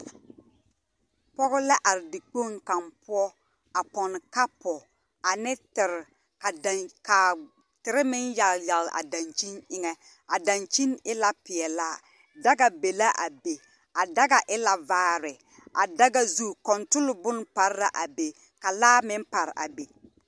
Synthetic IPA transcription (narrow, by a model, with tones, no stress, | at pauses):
pɔ˦ɣʊ˦la˦ʔa˨ɾɪ˨dɪ˨k͡po˦˨ŋka˨mpʊ˦ɔ˦ | a˨pɔ˨n˨ka˦pɔ˨ | a˨nɪ˦tɪ˨ɾ | ka˨dka˨ | tɪ˨ɾɪ˦mɪ˦nja˨lja˨lʔa̰˨da˨nt͡ʃi˦nɪ˦ŋɛ˦ | a˨da˨nt͡ʃi˦nɪ˦la˦pɪ˨ɛ˨laː˦˨ | da˦ɡa˨be˨la˦ʔa˨be˨ | a˨da˦ɡa˨ʔɪ˦la˨vaː˦ɾɪ˨ | a̰˨da˦ɡa˦zu˦kɔ˨ntʊ˦lʊ˨bʊ˦n˦pa˨ɾɪ˦ɾa˨ʔa˨be˨ | ka˨laː˦mɪ˦mpa˨ɾʔa̰˨be˨